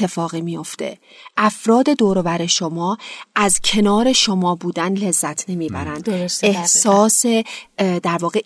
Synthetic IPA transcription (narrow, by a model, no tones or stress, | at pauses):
e̞fɒːɣiːmijo̞ft̪e̞̰ | ʔæfɾɒːd̪e̞d̪oːɾovæɾe̞ʃo̞mɒːʔæzcʰe̞nɒːɾe̞ʃo̞mɒːbuːd̪ænle̞zːæt̪ʰne̞miːbæɾænd̪se̞hsɒːsed̪æɾvɒːɣe